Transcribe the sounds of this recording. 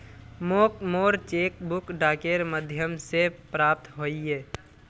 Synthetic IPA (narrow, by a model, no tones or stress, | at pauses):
moːkmoːɾt͡ʃeːkbʊkɖaːkeɾməd̪ʱjəmsepɾaːp̚t̪ɦoːiɦeː